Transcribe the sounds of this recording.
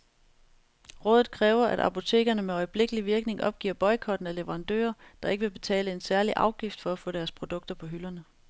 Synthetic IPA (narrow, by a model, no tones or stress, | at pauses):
ʁɔ̰̽ːðˠð̩ˠkʰʁɛːʊɐʔæɾ̥ɑ̰̈pʰo̝t͡sʰe̝̰ːɡ̥ɐnəmeɒ̽ɪəb̥le̝ɡ̥əliʋiɐɡ̥ne̝ŋʔɒ̽b̥ɡ̥ḭɐb̥ɒ̽ɪkʰɒ̽d̥n̩æleʋəʁɑ̈nd̥ø̰ːɐd̥ɑ̈e̝ɡ̥əʋe̝b̥e̝t͡sʰɛ̰ːləe̝nsæɐliʔɑ̈ʊɡ̥ifd̥fɒ̽æfɔ̰̽ːd̥æɐspʰʁo̝d̥ɔ̽ɡ̥̚d̥ɐpʰɒ̽ɦylɐnə